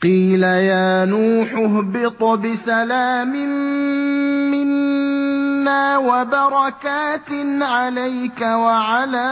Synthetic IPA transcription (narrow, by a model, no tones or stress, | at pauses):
qiːlajaːnuːħʊɦbɪt̪ˤʊbɪsalaːmɪm | mɪnː | aːwabɑɾˤɑkaːt̪ɪnʕalajkawaʕalaː